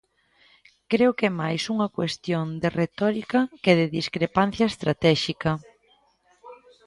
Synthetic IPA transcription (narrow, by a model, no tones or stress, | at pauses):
kɾeʊkemajsuŋɐkwest̪jond̪eret̪ɔɾikɐkeðɪðiskɾepan̟θjɐest̪ɾat̪ɛʃikɐ